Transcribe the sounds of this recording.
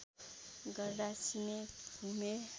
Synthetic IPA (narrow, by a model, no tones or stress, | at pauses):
ɡʌrd̪at͡sʰinebʱume